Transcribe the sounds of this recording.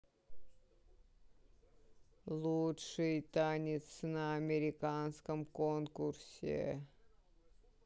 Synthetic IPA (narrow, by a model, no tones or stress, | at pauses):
lˠutʂɨjt̪anʲɪt̪snəːmʲɪɾʲɪkanskəmkonkursʲɪ̰